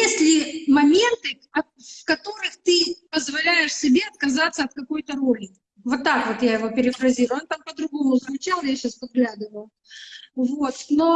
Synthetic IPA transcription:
esʲtʲlʲɪmɐmʲe̞nt̪ɨ | ɐ | fkɐt̪o̞ɾɨxt̪ɨpəzvɐlʲæjɪʂsʲɪbʲe̞ɐt̪̚kɐzat̪sːəɐt̪̚kɐko̞jt̪əɾolʲɪ | vo̞t̪ːakvo̞t̪jajɪvo̞pʲɪɾʲɪfɾɐzʲiɾʊont̪ampəd̪ɾʊɡo̞mʊzəmʲʊt͡ɕalˠjaɕːaspɐd̪ɡlʲæd̪ɨvəjʊ | vo̞t̪no̞

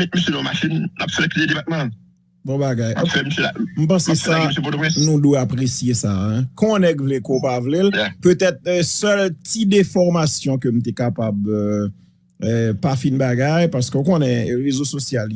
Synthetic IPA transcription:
mɛt̪̚misølɔ̃maʃĩnla̰pselɛkted̪epat̪̚mã | bɔ̃baɡajafɛmiselam̩p̬ɑ̃sesasepɔt̪oɛ̃snũdweapʁesjesaɛ̃kɔ̃nɛɡvlekopavleljpøt̪ɛt̪sœltid̪ɛfɔʁmasjɔ̃køm̩t̪ɛkapabø | ɛpafĩnbaɡajpaʁsə̥køõkonɛʁezososjal

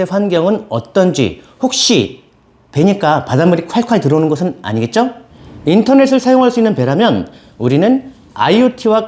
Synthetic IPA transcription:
e̞ɸwanɡjʌŋɯnʌ̰t͈ʌnd͡ʑḭ | ɸok̚ɕ͈i | pe̞ɲik͈apadamɯɾik̚ʰaɭkʰaetɯɾʌnɯnɡʌsʰɯna̰ɲiɡe̞t̚t͡ɕ͈ointʰʌne̞s̬͈ʰɯɭsʰajoŋɦaɭs͈uinːɯnpe̞ɾamjʌn | uɾinɯn | a̰iotʰiwa

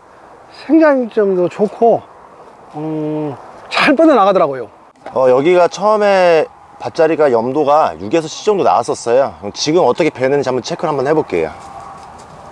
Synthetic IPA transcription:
sʰeŋɡaŋit͡ɕomdot͡ɕokʰo | ɯ | t͡ɕaɭp͈ʌnʌnaɡadʌɾaɡojo | ʌjʌɡiɡat͡ɕʰʌme̞ | pat̚t͡ɕ͈aɾiɡajʌmdoɡajuɡe̞sʰʌɕʰi̥d͡ʑ͈ʌŋdona̰as͈ʌs͈ʌjoɯt͡ɕiɡɯmʌt͈ʌkʰe̞penent͡ɕambut͡ɕʰe̞kʰɯɭɦambʌnhe̞bok͈e̞̰jo̰

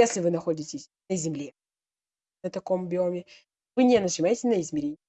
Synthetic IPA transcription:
jesʲlʲɪvɨnɐxo̞dʲɪtʲɪsʲ | nəzʲɪmlʲe | nət̪ɐko̞mɐbʲɪo̞mʲɪ | vɨnʲɛnət͡ʃɨmajɪtʲɪsʲnəɪzmʲɪɾʲenʲ

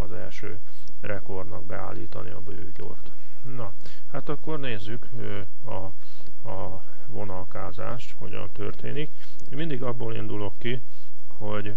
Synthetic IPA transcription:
ɒzɛ̰lʃøː | rʔɛko̞rd̪nɒɡ̚bɛ̰a̰ːlːiːt̪ɒniɒbøːɟo̞̰rt̪ | nɒ | hat̪ɒkːo̞rneːzːyk | ɒ | ɒ | vo̞nɒlkaːza̰ːʃt̪ho̞̰ɟɒ̰nt̪ørt̪eːnik | imind̪iɡɒbːoːlḭnd̪ulo̞kːi | ho̞ɟ

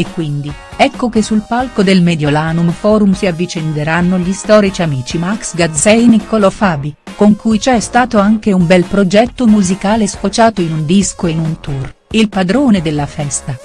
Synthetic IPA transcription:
ekːwind̪i | ɛkːokesːulpalkod̪elmed̪jolaːnumfɔːɾumsiavːit͡ʃend̪eɾanːoʎist̪ɔːɾit͡ʃiamiːt͡ʃimaksɡad̪zɛjnikolofaːbikoŋkujt͡ʃɛst̪aːt̪oaŋk̟eumbɛlpɾod͡ʒɛt̪ːomuzikaːlesfot͡ʃaːt̪oinund̪iskoeinunt̪urilpad̪ɾoːned̪elːafɛst̪a

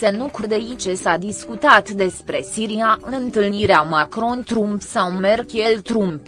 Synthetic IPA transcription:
senukurd̪e̞it͡ʃesad̪iskut̪at̪d̪e̞spɾe̞siɾiaʔɨnt̪ɨlniɾeamakɾo̞nt̪ɾumpsawme̞rɡjelt̪ɾump

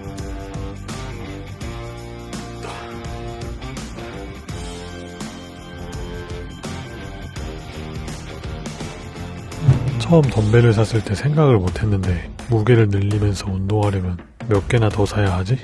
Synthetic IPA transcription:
t͡ɕʰʌʌmtʌmbe̞ɾɯɭs̬ʰas͈ɯɭt͈e̞sʰe̞ŋɡaɡɯɭmotʰe̞nːɯnde̞ | muɡe̞ɾɯɭnɯʎːimjʌnsʰʌundoŋɦaɾjʌmjʌn | mjʌk̚k͈e̞natʌsʰajaɦad͡ʑi

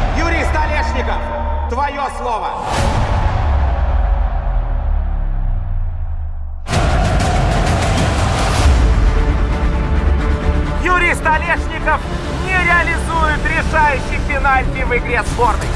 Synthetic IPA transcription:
jʊɾʲijst̪ɐlʲeʂnʲɪkəf | t̪vɐjoslˠovə | jʊɾʲijst̪ɐlʲeʂnʲɪkəf | nʲɪɾʲɪɐlʲɪzujɪt̪ɾʲɪsajʉɕːɪjfʲɪnalʲpʲiməjɡɾʲet̪sbornɨ̰j

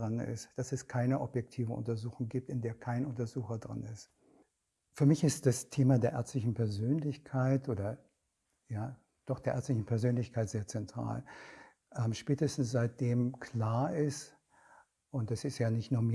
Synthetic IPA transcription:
ʁanɪ̰std̥asɛskʰaɪnəʔɔpjɛk̚tʰiːvənʔʊ̰ntɐzuːxʊŋɡiːp̚tɪndeːɐkʰaɪnʔʊntɐzuːxɐdʁa̰nɪst | fyːɐmɪçɪstd̥astʰeːmadeːɐʔɛɐt͡stlɪçn̩pʰɛɐzøːnlɪçkʰaɪtʔoːdɐ | jaː | d̥ɔχd̥eːɐʔɛ̰ːɐt͡stlɪçn̩pʰɛɐzøːnlɪçkʰaɪtz̥eːɐt͡sɛntʁ̥a̰ːl | ʔɛmʃpɛːtəstn̩sz̥aɪt̚d̥eːmkʰl̥aːɐʔɪst | ʔʊntd̥asɪstjaːnɪçtnuːɐmi

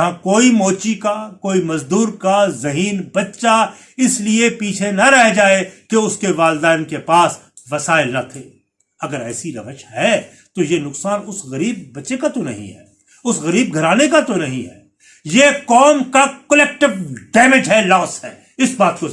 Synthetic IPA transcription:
ɦãkoːimɔːt͡ʃikakoːimɐzd̪uːɾkazɐɦiːnbɐtːʃa | ɪsliepiːt͡ʃʰenɐɾɛɦd͡ʒaːekeʊskeʋaːld̪aːɪnkepaːs | ʋɐsaːɪlnɐt̪ʰeː | ɐɡəɾɛ̰ːsiɾɐʋəʃɦɛ | t̪ojenʊksaːnʊsɣɐɾiːb̚ːɐtːʃekat̪onɐ̰ɦḭ̃ɦɛ̰ː | ʊsɣɐɾiːb̚ɡʱɐɾaːnekat̪onɐɦḭ̃ɦɛ̰ː | jekɔːmkakɐlɛːk̚ʈɪʋɖɛːmed͡ʒɦɛlaːsɦɛ̰ː | ɪsbaːt̪̚ko

